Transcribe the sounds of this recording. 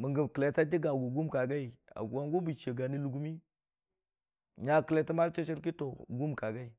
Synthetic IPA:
mi˨ŋɡi˨mki˨le˨ta˦di˦ɡa˨ɡu˨ɡu˦mka˨ɡa˦i˨a̰˨ɡwa˦ŋɡu˦bi˨t͡ʃe˨ɡa˨ni˦lu˨ɡu˦mi˦ | ɲa˨ki˨le˨ta˦ma˦ɾt͡ʃi˦t͡ʃi˦ɾk̬i˦to˨ɡu˦mka˨ɡa˦i˨

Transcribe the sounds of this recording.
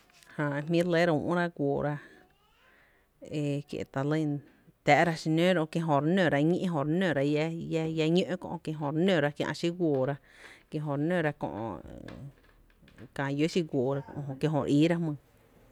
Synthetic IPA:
hã˧˨˧mĩ˦le˦ɾa˧ṵ̃˧˨ʔɾa˧ɡʷoː˨ɾa˧ | e˧˨kjḛ˧˨t̪a˨li˧˨n | t̪ɛ˧ʔɾa˧ʃi˧nẽ˦ɾo˧kje˧ɦõ˧˨ɾnø̃˨ɾa˧ɲĩ˦ʔɦõ˧˨ɾnø̃˨ɾa˧ja˦jja˧ɲõ˦ʔkõ̰˧ʔkje˧ɦõ˧˨ɾnẽ˧˨ɾa˧kjã̰˧ʔʃi˦ɡʷoː˨ɾa˧ | kjẽ˧ɦõ˧˨ɾnø̃˧˨ɾa˧kõ̰˧ʔ | kã˧˨jo˦ʃi˦ɡʷoː˨ɾã˧ɦõ˧ʔkje˧ɦõ˧ɾʔiː˦ɾa˦mɨ̃˧˨

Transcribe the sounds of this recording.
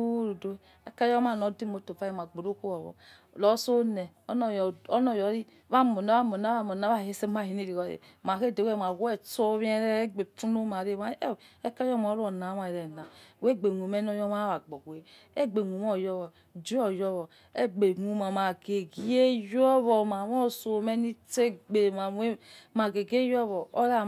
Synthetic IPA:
ɾu˨do˦ | e˦ka˦jɔ˦ma˨no˨di˦mo˨˦to˨fa˦e˦˨ma˨ɡ͡bo˨ɾo˦ko˦wɔ˨βɔ̰˨ | lɔ˨˦so˦ne˨ | ɔ˦n˨jɔ˦nɔ˨jɔ˨˦ɾi˦˨βa˦˨mo˨na˨˦a˦mo˨na˨˦a˦˨mo˨na˨˦a˦˨e˦se˦ma˦˨hi˨ne˦ɾi˨ɣo˨ḛ˨ | ma˨ke˦˨de˨we˦˨m˨a˨wɛ˦t͡so˦βe˦ɾe˦ɡ͡be˨fu˦no˦ma˨ɾe˦ma˦˨e˦ka˦jɔ˦ma˨˦ɾo˨na˨˦ma˨i˨ɾe˨na˨we˦ɡ͡be˨ŋu˨me˦n˦o˦jɔ˦ma˦βa˨ɡ͡bo˨ɡe˦ | e˦ɡ͡be˨ŋu˨m˦o˦˨jɔ˦βɔ˨ | d͡ʒi˦o˨jɔ˦βɔ˨ | e˦ɡ͡be˨ŋu˨ma˨ma˨ɡe˨ɡe˦jɔ˦βɔ˨ma˨wo˦so˨me˦ni˦te˦ɡ͡be˨ma˨˦e˦ma˨ɡe˨ɡe˦jo˦βɔ˨o˦ɾa˦

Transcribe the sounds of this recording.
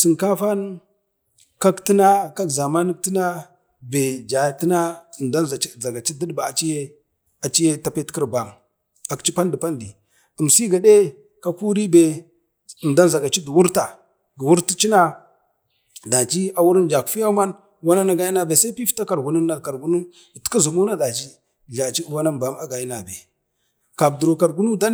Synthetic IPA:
si˨nka˦fa˦n | ka˦kti˦na˦ka˦kza˨ma˦ni˦k̚ti˦na˦ | be˨d͡ʒa˨ti˦na˦˨nda˦nza˨˦za˨ɡa˨t͡ʃi˦di˦dba˨a˨t͡ʃi˦je˦ | a˨t͡ʃi˦je˦ta˦pe˦tki˦ɾba˨m | a˨kt͡ʃi˦pa˦ndi˨pa˦ndi˨ | ə˨msi˦ɡa˨ɗe˦ | ka˨ku˦ɾi˦be˨ | ə˨nda˦nza˨ɡa˨t͡ʃi˦du˨wu˦ɾta˨ | ɡə˨wu˦ɾti˦t͡ʃi˦na˦ | da˨t͡ʃi˦a˨wu˦ɾn˨d͡ʒa˨ku̥˨fi˦ja˦ma˦n˦ | wa˦na˦na˨ɡa˦ji˦na˨be˨sa˦pi˦fta˦ka˨ɾɡu˨nu˦nːa˨ka˨ɾɡu˦nu˦˨ | tka˦zu˨mu˦na˦da˨t͡ʃi˦˨ | ɮa˨t͡ʃi˦wa˦na˦nba˦ma˦ɡa˨ji˦na˨be˨ | ka˨b̚du˨ɾo˨ka˨ɾɡu˦nu˦da˦

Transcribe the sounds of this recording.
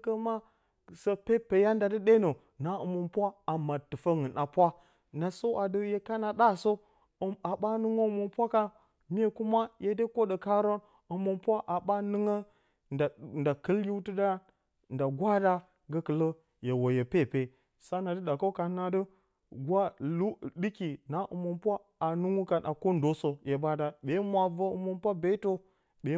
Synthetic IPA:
kə˦ma˦ | sə˦pe˦pe˨ja˦nda˨dɨ˦ɗe˦no˨ | na˨ə˨mə˨npʷa˦a˨ma˨tɨ˨fə˦ŋɨ˨nʔa˨pʷa˦ | na˨so˦ʔa˨də˦je˦ka˦na˨da˦so˦˨ | a˨ɓa˦nɨ˦ŋo˦˨mo˨npʷa˦ka˦ | mʲ˦e˨ku˦ma˦jʔe˨˦de˦ko˦də˨ka˦ɾo˦n | ə˨mo˨npʷa˦ʔa˨ɓa˦nɨ˦ŋə˦ | nda˨nda˨kə˦lji˦wtɨ˦da˦ | n̩˨da˨ɡʷa˦da˦ | ɡə˦kə˨lə˦ | je˨wo˨je˨pe˦˨pe˨ | sa˦na˨də˦ɗa˨ko˦ka˨˦na˨də˦ | ɡʷa˦lu˦ɗi˦ki˨na˨ʔɨ̰˨mo˨npʷa˦ | a˨nu˦ŋu˦ka˨nʔa˨ko˦n˦do˨˦so˨je˨ba˦da˨ɓe˨˦mʷa˨və˦ɨ̰˨mo˨npʷa˦be˦to˦ | ɓe˨˦

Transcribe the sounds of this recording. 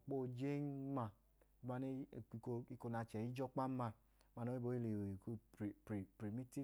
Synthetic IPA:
k͡po˦˨d͡ʒe˦ma˧˨˦ | ma˧ne˦˨˧ko˧i˧ko˧na˧t͡ʃɛ˨i˦d͡ʒɔ˦k͡pa˦ma˧ | ma˧˨no˦i˦bo˨˦i˦le˨e˨ku˦ɾpi˨pɾi˨mi˦ti˦

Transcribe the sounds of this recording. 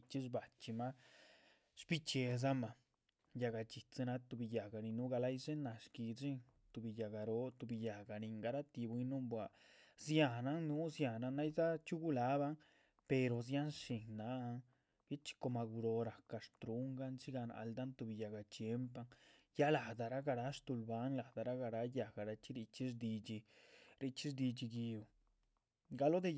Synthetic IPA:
t͡ʃi˦ʂ̬ba˨t͡ʃi˧ma˦ | ʂpi˦t͡ʃe˧z̬a˦ma˨ | ja˧ɡa˧t͡ʃi˨t͡si˧na˧t̪u˧bi˧ja˨ɡa˨˧ni˧nu˦ɡa˧la˦jʂe˦na˨ʂki˧ʐi˦ŋ | t̪u˧bi˧ja˨ɡa˧ɾo˦t̪u˧bi˧ja˨ɡa˨ni˨ŋɡa˧ɾa˦t̪i˧bʷwi˧nu˦mbwa˨ | zja˧˨na˦ŋnu˦zja˨na˧na˦jza˦t͡ʃu˦ɡu˦la˨˦ba˦ŋ | pe˧ɾo˨z̬ja˦nʂi˨ŋna˨˦a˧ŋ | bji˦t͡ʃi̥˦ko˧ma˧ɡu˧ɾo˧ɾa˨ka˧ʂt̪ɾu˦ŋɡa˦nt͡ʃi˦ɡa˧na̰˧ld̪a˦nt̪u˧bi˧˨ja˨ɡa˧t͡ʃje˦mpa˦ŋja˦la˨d̪a˨ɾa˦ɡa˧ɾa˦ʂt̪u˧lba˨˦nla˨d̪a˨ɾa˦ɡa˧ɾa˦ja˨ɡa˨ɾa˧t͡ʃi˦ɾi˧t͡ʃi˦ʐd̪i˧d͡ʒi˧ɾi˧t͡ʃi˦ʐd̪i˧d͡ʒi˧ɡi˧u˨ | ɡa˧lo˦d̪e˧

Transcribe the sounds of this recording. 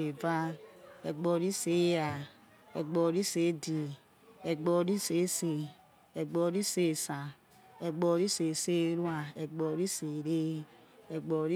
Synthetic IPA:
e˨va˦e˨ɡ͡bɔ˨ɾi˦se˦ja˨ | ḛ˨ɡ͡bɔ˨ɾi˦se˨˦di˨ | e˨ɡ͡bɔ˨ɾi˦se˨˦se˨ | e˨ɡ͡bɔ˨ɾi˦se˦˨sa˨ | e˨ɡ͡bɔ˨ɾi˦se˨se˦ɾwa˨e˨ɡ͡bɔ˨˦ɾi˦se˨ɾe˦ | e˨ɡ͡bɔ˨ɾ

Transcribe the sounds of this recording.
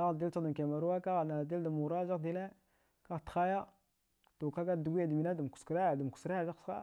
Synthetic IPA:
a˦ɣdi˦lt͡ʃa˦da˨ke˨ma˨ɾu˦wa˦ka˦ɣa˨na˨di˦lda˨mu˨ɾa˦d͡ʒa˦˨di˦le˦ | ka˦ɣtə̥˨xa˦ja˦ | to˨ka˦ɡa˦˨du˨˦ɡʷi˦ja˨di˨mi˨na˦da˨m˨ku̥˨skɾa˦a˨da˨m˨ku̥˨sɾa˦a˨d͡ʒa˦˨sa̰˦

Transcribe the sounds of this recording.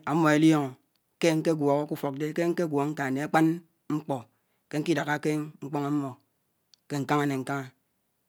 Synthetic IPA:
a˨mːɔ˨e˨ljo˦ŋ˨ | ke˦ŋ̩˦ke˦ɡwɔ˨ɣo˦ku˦fo˨k̚de˦ke˦ŋ̩˦ke˦ɡwɔ˨ŋ̩˦ka˨ne˨a˦k͡pa˦n | ŋ͡m̩˦k͡pɔ˨ | ke˦ŋ̩˦ki˦da˨ɣa˦ke˦ŋ͡m̩˦k͡po˦ŋa˦m̩˦mːɔ˨ | ke˦ŋ̩˨ka˦ŋa˦ne˨ŋ̩˦ka˦ŋa˦

